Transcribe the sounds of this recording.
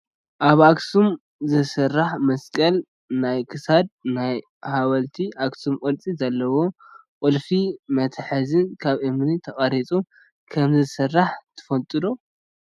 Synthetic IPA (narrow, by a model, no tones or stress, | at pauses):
ʔaβaksum | zɨsɐrːaħmɐskʼɐl | najkʰɨsad̪̚naj | hawɐlt̪ʰiʔaksumkʼɐlt͡sʼizɐlːɐwo | qʼʊlfimɐt̪ʰħɨzɨnkʰaβʔɨmnit̪ʰɐχʼɐɾit͡sʼu | kʰɐmzɨsɐrːaħt̪ʰɨ̥fɐlt̪ʼɨd̪o